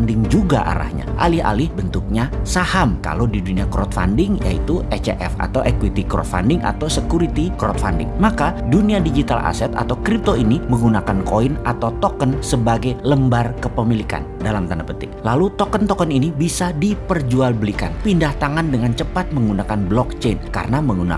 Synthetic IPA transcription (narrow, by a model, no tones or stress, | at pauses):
ndɪŋd͡ʒuɡa̰ʔa̰ɾa̰hɲa̰ʔa̰lɪha̰lɪhbənt̪uk̚ɲasahamka̰lodiduniakɾɔt̪̚fa̰ndɪŋja̰ḭt̪uʔɛt͡ʃḛʔɛ̰fa̰t̪awʔɛkwit̪ikɾɔ̰t̪̚fa̰ndɪŋʔa̰t̪awsəkuɾit̪ikɾɔ̰t̪̚fa̰ndɪ̰ŋmakaduniadid͡ʒit̪ala̰sɛt̪a̰t̪awkɾip̚t̪oiniməŋɡunakankoinʔat̪awt̪ɔkənsəbaɡajləmbarkəpəmilika̰ndalamt̪andapənt̪ɪlalut̪ɔkənt̪ɔkəninibisadipərd͡ʒualbəlika̰npindaht̪aŋandəŋant͡ʃəpat̪̚məŋɡunakanblɔk̚t͡ʃenka̰ɾənaməŋɡuna̰